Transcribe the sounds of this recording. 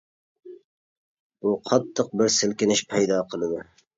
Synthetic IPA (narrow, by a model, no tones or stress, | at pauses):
b̥ʊqʰɑt̪ʰːɨq̚bɪɾsɪlˠkʲɪnɪʃpʰajd̪ɑqʰəlˠɨd̪ɪ